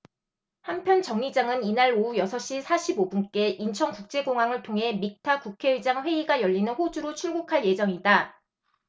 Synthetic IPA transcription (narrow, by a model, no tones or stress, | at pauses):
hampʰjʌnt͡ɕʌŋid͡ʑaŋɯninaɾoujʌsʰʌɕ͈isʰaɕʰibobunk͈e̞ʔint͡ɕʰʌŋkuk̚t͡ɕ͈e̞ɡoŋɦaŋɯɭtʰoŋɦe̞mik̚tʰakukʰe̞ɯd͡ʑaŋɸwe̞iɡajʌʎːinɯnɸod͡ʑuɾot͡ɕʰuɭɡukʰaɭje̞d͡ʑʌŋida